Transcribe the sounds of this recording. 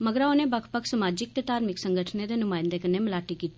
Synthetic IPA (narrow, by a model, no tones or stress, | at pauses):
məɡəɾaoːnẽbəkʰpəkʰsəmaːd͡ʒɪk̚t̪et̪aːɾmɪksəŋɡəʈʰned̪eːnʊmãːɪ̃nd̪ekənemɪlaːʈikiːt̪ːi̥